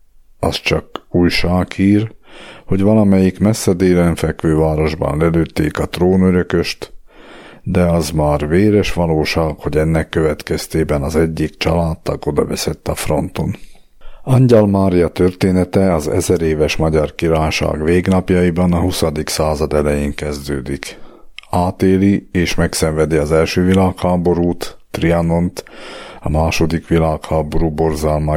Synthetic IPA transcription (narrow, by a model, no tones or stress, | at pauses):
ɒst͡ʃɒkuːjʃaːkiːrho̞ɟʋɒlɒmɛjikmɛsːɛd̪eːlɛɱfɛkʋøːvaːɾo̞ʒbɒ̰nlɛløːt̪ːḛːkɒt̪roːnøɾøkø̞ʃt̪ | d̪ɛɒzmaːrveːɾɛʃʋɒloːʃaːkho̞ɟɛnːɛkːøvɛt̪kɛst̪eːbɛnɒzɛɟːikt͡ʃɒlaːt̪t̪ɒɡo̞d̪ɒvɛsɛt̪ːɒfro̞̰nt̪o̞n | ɒɲɟɛlmaːɾijɒt̪ørt̪eːnɛt̪ɛɒzɛ̰zɛɾeːvɛʃmɒɟɒrkiɾaːjʃa̰ːɡʋeːɡnɒpjɒjibɒnɒɦusɒd̪iksaːzɒd̪ɛlɛjeːŋkɛzd̪ø̰ːd̪ik | aːt̪eːlieːʃmɛksɛɱvɛd̪iɒzɛlʃøːvilaːkhaːbo̞ɾuːt̪ːriɑno̞nt̪ɒmaːʃo̞d̪ikʋilaːkhaːbo̞ɾuːbo̞rzalma